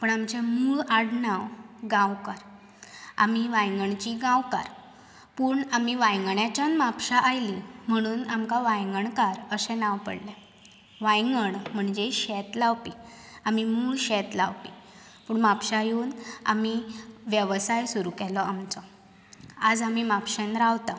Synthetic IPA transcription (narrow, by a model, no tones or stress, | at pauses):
pəɳamt͡ɕamuːɭaɽnawɡãwkaɾ | a̰miʋajŋɡəɳt͡ɕiɡãwka̰ɾ | puːɳamiʋajŋɡəɳjat͡ɕanmapɕaʔajlim̤əɽ̃uːnamkaʋajŋɡəɳkaɾəsɛ̃naʋpə̰ɽlɛ | ʋajŋɡəɳm̤əɳd͡zeɕɛt̪laʋpi | amimuːɭɕɛt̪laʋpi | puːɳmapɕajuːna̰miʋjəʋsajsuɾukɛlɔamt͡sɔ | ad͡zamimapɕɛnɾaʋt̪a